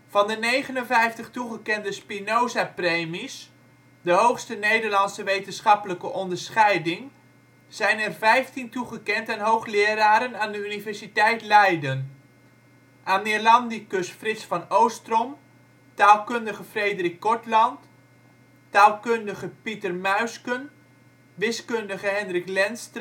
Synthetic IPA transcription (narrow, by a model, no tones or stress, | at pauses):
v̥ɑndənejχənənvɛjftəχtuχəkɛndəspinowzaprejmis | dəɦowxstənejdəɹlɑnsəʋejtənsχɑpələkəʔɔndəɹsχɛjdɪŋ | z̥ɛjnɛrvɛjftintuχəkɛntɛnɦowχlɪːəraːɾənaːndəynivɛrɹsitɛjtlɛjdən | ʔaːnɪlɑndikɵsfrɪtsfɑnowstrɔm | taːlˠkɵndəɣəfrejdərik̚ːɔɹtlɑnt | taːlˠkøndəɣəpitərmœɥskən | ʋɪskøndəɣəɦɛndrɪklɛnst